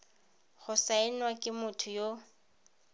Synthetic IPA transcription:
ɣʊsaɪn̩wakʼɪmʊtʰʊjo

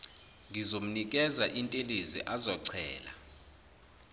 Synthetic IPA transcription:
ŋɡʱizom̩nik̬ʼɛzaʔintʼelizḭʔazɔǀʰɛ̰ːla̰

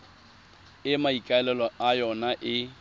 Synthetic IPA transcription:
ɪmaikʼaɛlɛlɔajɔnaʔɪ

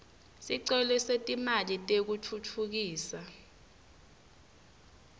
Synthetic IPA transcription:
siǀɛlɛsetʼimalitʼek̬utʰutʰuk̬iːsa

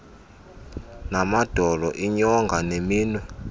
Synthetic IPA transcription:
namad̥ʱɔlɔʔiɲɔŋɡʱanemiːnwɛ

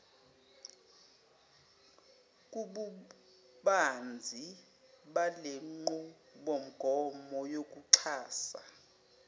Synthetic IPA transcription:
kʼuɓu | ɓand͡zʱi | ɓaleŋ͡ǃu | ɓom̩ɡ̥ʱɔmɔjok̬ʼuǁʰaːsa̰

